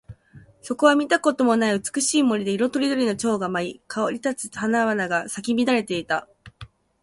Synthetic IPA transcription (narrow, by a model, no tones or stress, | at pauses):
so̞ko̞β̞amʲit̪ako̞t̪o̞mo̞naiɯ̟t͡sɨ̥kɯ̟ɕiːmo̞ɾʲid̪e̞iɾo̞t̪o̞ɾʲid̪o̞ɾʲino̞t͡ɕo̞ːɡamaikʰaoɾʲit̪at͡sɨ̥hanaβanaɡasakʲimʲid̪aɾe̞t̪e̞it̪a